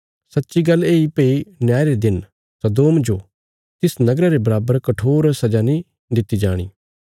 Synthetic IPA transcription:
sɐtːʃiɡɐlːeːipeinjaːɾed̪ɪn | sɐd̪oːmd͡ʒoː | t̪ɪsnɐɡɾaɾebɐɾaːbəɾkɐʈʰoːɾsɐd͡ʒanĩ | d̪ɪt̪ːid͡ʒaːɽ̃ḭː

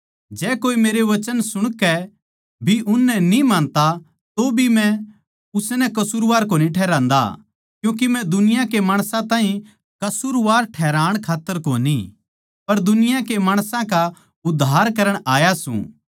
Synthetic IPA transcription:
d͡ʒɛːkoːimeːɾeʋɐt͡ʃənsʊɽ̃kɛ | bʱiʔʊnːɛnĩmãːnt̪a | t̪obʱimɛ̃ | ʊsnɛ̃kɐsuːɾʋaːɾk̬oːniʈʰɛːɾãːnd̪a̰ | kjũːk̬imɛ̃d̪ʊnɪjãkemaːɽ̃sãt̪ãːɦĩ | kɐsuːɾʋaːɾʈʰɛːɾãːɽ̃kʰaːt̪ːəɾkoːni | pɐɾd̪ʊnɪjãkemaːɽ̃sãka | ʊd̪ʱːaːɾkɐɾəɽ̃aːjasṵ̃

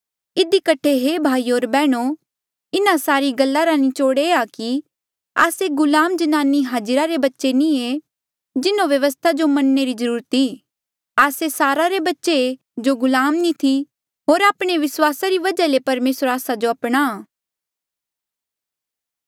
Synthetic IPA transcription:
ɪd̪ikəʈʰeɦeːbʱaːioːɾbɛːɽ̃o | ɪnãsaːɾiɡɐlːaɾanĩt͡ʃoːɽeaki | a̰ːseɡʊlaːmd͡ʒɐnaːnːiɦaːd͡ʒɾaɾebɐtːʃenĩe | d͡ʒɪnõʋjɐʋəs̬t̪ʰad͡ʒomɐnːeɾizəɾuːɾət̪i | aːsesaːɾaɾebɐtːʃe | d͡ʒoɡʊlaːmnĩt̪ʰi | ɦoːɾaːpɽ̃eʋɪswaːsaɾiʋɐd͡ʒalepɐɾmeːsəɾaːsad͡ʒoɐpɽ̃aː

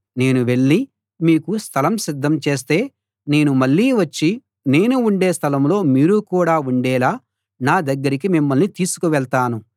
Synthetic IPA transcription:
ne̞ːnuʋe̞ɭːi | miːkust̪ʰɐlɐmsid̪ːɐmt͡ʃe̞ːs̬t̪e̞ː | ne̞ːnumɐɭːiːʋɐt͡ʃːi | ne̞ːnuːɳɖe̞ːst̪ʰɐlɐmlo̞ːmiːɾukuːɽaːuɳɖɛːlaː | naːd̪ɐɡːɐɾikimimːɐlnit̪iːsu̥kuʋɛɭt̪aːnu

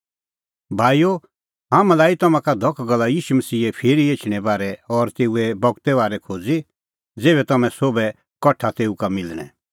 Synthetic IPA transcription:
bʱaːijo | ɦãːmãlaːit̪ɐmãkad̪ʱɔkʰɡɐlːajiːʃumɐsiːɛpʰeːɾieːt͡ʃʰɽ̃ɛbaːɾɛɔɾt̪eːuɛbɔɡt̪ɛβaːɾɛkʰoːd͡zi | d͡zeːβɛt̪ɐmɛ̃soːbɛ | kɐʈʰat̪eːukamɪlɽ̃ɛ̰̃

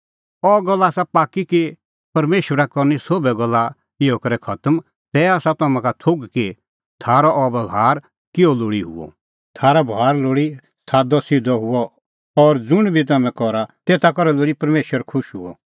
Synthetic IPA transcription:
ɔɡɔlːasapaːkːiki | pɐɾmeːʃwəɾakɔɾnisoːbɛɡɔlːa | ɪɔkɐɾɛkʰɐt̪əm | t̪ɛaːsat̪aːmãkat̪ʰoɡki | t̪ʰaːɾɔʔɔbɐɡʱaːɾ | kɪɔloːɽiɦʊ̰ɔ̰ | t̪ʰaːɾabʱaːɾloːɽi | saːd̪ɔsɪd̪ɔɦʊɔ | ɔɾd͡zʊɽ̃bʱit̪̬aːmɛ̃kɔɾat̪eːt̪akɔɾɛloːɽipɐɾmeːʃwəɾkʰʊʃɦʊ̰ɔ̰

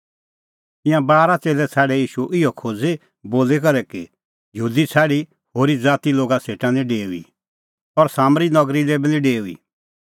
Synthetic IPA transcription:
t̪ɪ̃jãbaːɾat͡seːlɛt͡sʰɛːɽɛjiːʃuʔɪɔkʰoːd͡ze | boːlek̬ɐɾɛki | jəɦuːd̪it͡sʰɛːɽi | hoːɾid͡zaːt̪iloːɡaseːʈãniɖeːuḭ | ɔɾsaːmɾinɔɡɾilɛbinĩɖeːuḭ

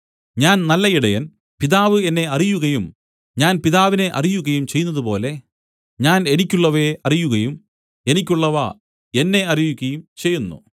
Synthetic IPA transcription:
ɲaːnnɐlːɐiɽɐjɐn | piðaːʋɨe̞nːe̞ɐrijuɣɐjum | ɲaːnpiðaːʋine̞ʔɐ̰rijuɣɐjumt͡ɕe̞jːunːɐðupo̞ːle̞ | ɲaːne̞nikʲːuɭːɐʋeɐrijuɣɐjum | e̞nikʲːuɭːɐʋɐ̰ | e̞nːe̞ɐrijuɣɐjumt͡ɕe̞jːunːṵ

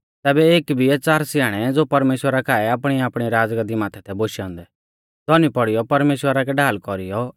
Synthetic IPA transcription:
t̪ɛːbɛeːkbʱiɛːt͡saːɾsɪjaːɽ̃ɛd͡zoːpɐɾmeːʃwəɾakʰaːɛapɽ̃iaːpɽ̃iɾaːd͡zɡəd̪imãːt̪ʰɛt̪ʰɛboːʃiɔ̃ːnd̪ɛ | d̪ɔnipɔɽijɔpɐɾmeːʃwəɾakɛɖaːlkɔɾijɔ

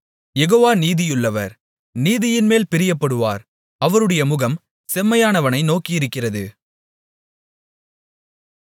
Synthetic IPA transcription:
jɛɣoːʋaːniːðɪjɯɭːɐʋɐ̰ɾ | niːðɪjɪnmeːlpɪɾɪjɐpːɐɽɯʋa̰ːɾ | ɐʋɐɾɯɽɐjɐmʊɣɐm | sɛmːɐjaːnɐʋɐnɐɪnoːkɪjɪɾɯkːɪrɐðɯ

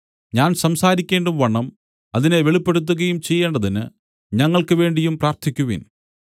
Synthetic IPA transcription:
ɲaːnsɐmsaːɾikʲːe̞ːɳɖumʋɐɳːɐm | ɐðineʋeɭipːeɽut̪̬ːuɣɐjumt͡ɕe̞jːe̞ːɳɖɐðinɨ | ɲɐŋːɐɭkɨʋe̞ːɳɖijumpraːrt̪ʰikʲːuʋḭn

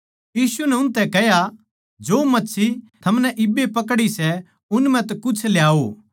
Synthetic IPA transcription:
jiːsunɛʊnt̪ɛkɛja | d͡ʒoːmɐtːsʰit̪ʰɐmnɛʔɪbːepɐk̬ɽisɛ | ʊnmɛ̃t̪ɛkʊt͡ʃʰljaːo

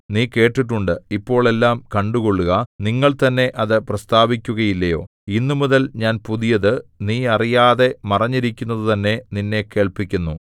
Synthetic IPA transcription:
niːke̞ːʈːiʈ̬ːuɳɖɨipːo̞ːɭe̞lːaːmkɐɳɖuɣo̞ɭːuɣɐniŋːɐɭt̪ɐnːe̞ʔɐðɨprɐst̪aːbikʲːuɣɐjilːɐjo̞ː | inːumuðɐlɲaːnpuðijɐðɨniːɐrijaːðe̞mɐrɐɲːiɾikʲːunːɐðɨt̪ɐnːe̞ninːe̞kːe̞ːɭpikʲːunːu

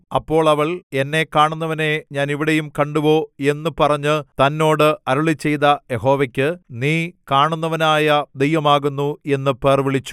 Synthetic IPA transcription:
ɐpːo̞ːɭɐʋɐɭe̞nːe̞kaːɳunːɐʋɐne̞ɲaːniʋiɽe̞jumkɐɳɖuʋo̞ːe̞nːɨpɐrɐɲːɨt̪ɐnːo̞ːɽɨɐɾuɭit͡ɕːe̞jðɐje̞ɦo̞ːʋɐkʲːɨniːkaːɳunːɐʋɐnaːjɐd̪ejʋɐmaːɣunːue̞nːɨpeːrʋiɭit͡ɕːu̥

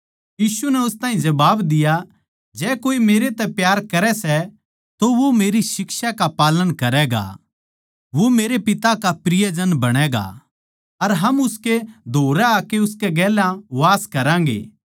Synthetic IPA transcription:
jiːsunɛʊst̪ãːɦĩd͡ʒɐbaːbd̪ɪja | d͡ʒɛːkoːimeːɾet̪ɛpjaːɾkɐɾɛsɛ | t̪oʋomeːɾisɪkʃakapaːlənkɐɾɛɡa̰ | ʋomeːɾepɪt̪akapɾɪjəd͡ʒənbɐɽ̃ɛɡa̰ | ɐɾɦɐmʊsked̪ʱoːɾɛakeʊskeɡɛːlãʋaːskɐɾãːŋɡḛː

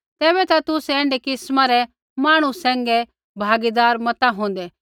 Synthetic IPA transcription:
t̪ɛːβɛt̪at̪ʊsɛ̃ːɳɖɛkɪsmaɾɛ | maːɽ̃usɛ̃ːŋɡɛ | bʱaːɡid̪aːɾmɐt̪aɦõːn̆d̪ɛː

